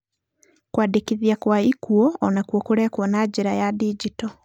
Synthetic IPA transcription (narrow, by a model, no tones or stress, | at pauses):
kwaːdikiðiakwaikuɔːnakwɔkuɾɛkwɔnaɟiɾajadiɟitɔ